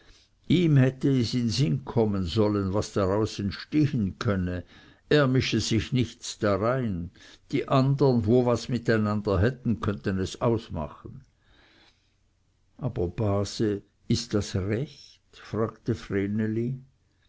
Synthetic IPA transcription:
iːmhɛtəɛsɪnzɪnkʰɔmənzɔlənvasd̥aʁaʊsɛntʃteːhənkʰœnə | eːɐmɪʃəzɪçnɪçt͡sd̥aʁaɪnd̥iːʔandənvoːvasmɪtaɪnandɐɦɛtn̩kʰœntənɛsaʊsma̰χən̩ | ʔaːb̥ɐb̥aːzə | ɪstd̥asʁɛçtfʁ̥aːɡ̥təfʁeːnəli

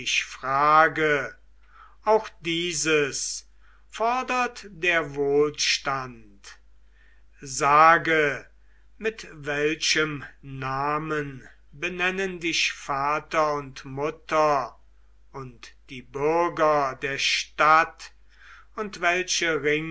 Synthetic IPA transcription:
ɪʃfʁ̥aːɡə | ʔaʊxd̥iːzəs | fɔɐdɐtdeːɐvoːlʃtant | zaːɡə | mɪtvɛlʃəmnaːmən | bənɛnəndɪʃfaːtɐʊntmʊtɐ | ʊntd̥iːbʏɐɡɐdeːɐʃtat | ʊntvɛlʃəʁɪŋ

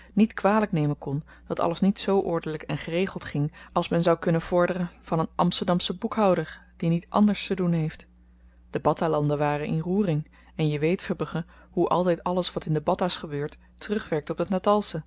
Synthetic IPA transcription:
nitkʋaːləknejmənkɔn | d̥ɑtɑ̰ləsnitsowʔɔɹdələkɛnχərejχəlˠtχɪŋɑlˠsmɛnzɑwkɵnənv̥ɔɹdərənv̥ɑnənʔɑ̰mstəɹdɑmsəbukɦɑwdəɹd̥initʔɑ̰ndəɹstədunɦejft | d̥əbɑtalɑndəʋaːrənʔɪnruːrɪŋ | ɛnjəʋejtfəbəχə | ɦuʔɑ̰lˠtɛjtɑləsʋɑtɪndəbɑtasχəbøːɹt | ərɵχʋɛɹk̚tɔp̚bdətnatɑlˠsə

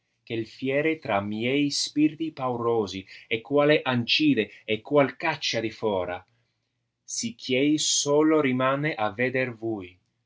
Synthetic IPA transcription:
kelfjɛːɾet̪ɾamjɛjspirt̪ipawɾoːziekːwaːleʔant͡ʃiːd̪eɛkːwalkat͡ʃːad̪ifɔːɾa | sikʰːjɛjsoːloɾimaːneʔaved̪ervuːj

